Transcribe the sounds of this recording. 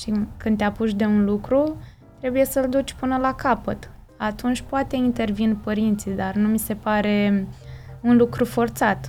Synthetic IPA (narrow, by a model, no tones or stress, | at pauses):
ʃikɨnd̪eapuʃd̪e̞unlukɾu | t̪ɾe̞buje̞səld̪ut͡ʃʲpɨnəlakapə̰t̪ | at̪unt͡ʃʲpoat̪e̞int̪e̞rvinpəɾint̪sid̪arnumise̞paɾe̞ | unlukɾufo̞rt̪sat̪